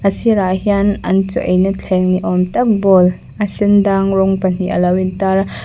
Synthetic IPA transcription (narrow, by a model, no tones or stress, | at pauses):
ʔɐsiɾaʔhianʔɐnt͡sṵʔejnit͡ɬʰɛŋniʔɔmtɐk̚bɔl | ʔɐsɪndaŋrɔŋpɐn̥iʔɐ̰lɐwintaɾ